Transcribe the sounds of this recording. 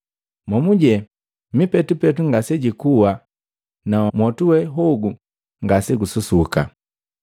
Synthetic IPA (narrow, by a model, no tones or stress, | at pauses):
mɔmuɟɛ | mipɛtupɛtuŋɡasɛɟikuwa | namɔtuwɛɦɔɡu | ŋɡasɛɡususuka̰